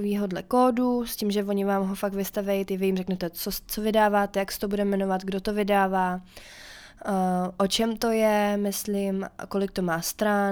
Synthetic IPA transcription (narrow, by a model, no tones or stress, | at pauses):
viːɦo̞dlɛkoːduscimʒɛvo̞ɲɪvaːmɦofak̚tvɪst̪avɛjt̪ɪvɪjimrɛknɛt̪ɛt͡sot͡sovɪdaːvaːt̪ɛjaksɛ̥t̪obudɛmːɛno̞vat̪ɡdo̞t̪o̞vɪdaːvaː | ʔot͡ʃɛmt̪o̞jɛmɪslimko̞lɪk̚t̪o̞maːst̪ɾa